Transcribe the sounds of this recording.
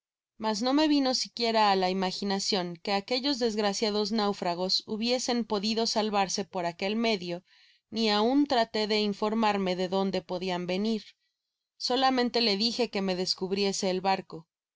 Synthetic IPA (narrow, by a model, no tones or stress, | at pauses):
mazno̞me̞βino̞sikje̞ɾaːlaimaxinasjo̞ŋke̞ake̞ʝo̞zðe̞zɣɾasjaðo̞znawfɾaɣ̞o̞suβje̞se̞mpo̞ðiðo̞salβaɾse̞po̞ɾake̞lme̞ðjo̞ | niaunt̪ɾat̪e̞ðe̞iɱfo̞ɾmaɾme̞ðe̞ðo̞nd̪e̞po̞ðiambe̞niɾ | so̞lamẽnt̪e̞le̞ðixe̞ke̞me̞ðe̞skuβɾje̞se̞ːlβaɾko̞